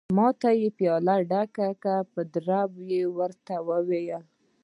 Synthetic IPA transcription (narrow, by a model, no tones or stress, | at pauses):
mɑt̪ajepjɑlaɖakakapəd̪ɾabjewəɾt̪awəwejəl